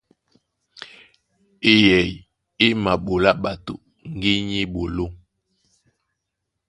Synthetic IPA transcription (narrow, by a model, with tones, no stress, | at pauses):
e˨jɛ˨j | e˦ma˨ɓo˨la˦ɓa˨to̰˨ | ŋ˦ɡi˦ɲi˦ɓo˨lo˦